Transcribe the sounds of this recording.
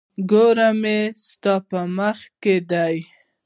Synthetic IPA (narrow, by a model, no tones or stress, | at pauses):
ɡoɾamest̪ɑpəməxked̪aj